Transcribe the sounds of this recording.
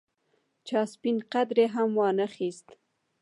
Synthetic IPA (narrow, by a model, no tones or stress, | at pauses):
t͡ʃɑspinqad̪ɾeɦamwɑnəxist̪